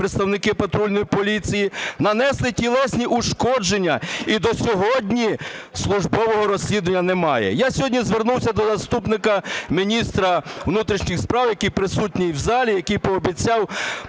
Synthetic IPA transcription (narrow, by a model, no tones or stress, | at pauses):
pɾet̪st̪ɐwnɪkɪpɐt̪ɾulʲnɔjipɔlʲit͡sʲijinɐnɛslˠɪtʲilˠɛsʲnʲiʔuʃkɔd͡ʒenʲːɐid̪ɔsʲɔɦɔdʲnʲi | slˠʊʒbɔʋɔɦɔɾɔsʲlʲid̪ʊʋenʲːɐnɛmɑjɛ̰jasʲɔɦɔdʲnʲizʋernuwsʲɐd̪ɔzɐst̪upnɪkɐmʲinʲist̪ɾɐwnut̪ɾʲiʃnʲɪxspɾɑwjɐkijpɾɪsutʲnʲijwzɑlʲijɐkijpɔːbʲit͡sʲɑw